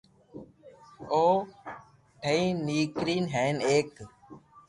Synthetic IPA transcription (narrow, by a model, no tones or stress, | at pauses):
oː | ʈʰeĩːniːkɾiːnɦeːneːk